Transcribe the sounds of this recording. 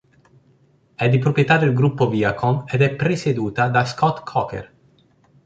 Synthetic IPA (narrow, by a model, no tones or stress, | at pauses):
ɛd̪ipɾopjet̪ad̪elɡɾupːoviakʰomed̪ɛpːɾesed̪uːt̪ad̪askɔt̪kʰɔkḛr